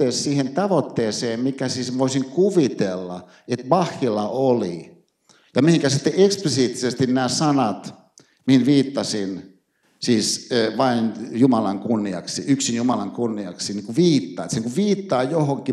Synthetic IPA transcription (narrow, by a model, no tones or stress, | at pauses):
eːssiːhent̪ɑʋot̪ːeːseːmmikæsiːsʋoisiŋkuʋit̪elːɑ̰ | et̪mɑhːilɑoli | jɑmihiŋkæsit̪ːeʔeksplisiːt̪ːisest̪innæːsɑnɑt̪ | mihinʋiːt̪ːɑsin | siːsʋɑinjumɑlɑŋkunːiɑ̰ksḭʔyksinjumɑlɑŋkunːiɑksiniŋkuʋiːt̪ːɑ̰ːet̪senŋkuʋʋiːt̪ːɑːjohoŋki